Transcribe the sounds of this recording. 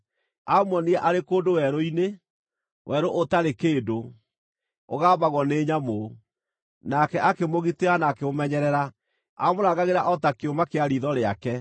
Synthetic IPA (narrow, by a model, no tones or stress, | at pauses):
amwɔniɛʔaɾekoːdowɛɾoine | wʔɛɾoʔotaɾekeːdo | o̰ɣaːβaɣwɔneːɲamo | nakɛʔakemoɣiteanaːkeomɛɲɛɾɛɾa | amoɾaːɣɡaɣeɾaʔɔtakeomakeaɾiðɔɾeakɛ